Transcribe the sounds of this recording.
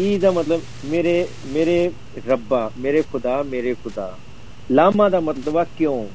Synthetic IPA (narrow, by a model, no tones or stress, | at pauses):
iːd̪amɐt̪ləb | meːɾe | meːɾe | ɾɐbːameːɾexʊd̪aːmeːɾexʊd̪a̰ː | laːmãd̪amɐt̪ləbakjõː